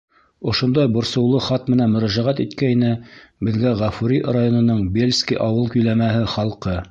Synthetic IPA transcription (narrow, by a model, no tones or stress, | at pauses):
ŏʃŏnd̪ɑjbŏɾsɤ̆wlˠɤχɑt̪̚mɘ̆nænmɵ̆ɾæʒæʁæt̪it̪kæinɘbɘ̆ðɡæʁæfuɾʲirajonŏnɤɴbʲelʲskʲiʔɑwɤlˠkɵ̆jlæmæɦɘχɑlˠqɤ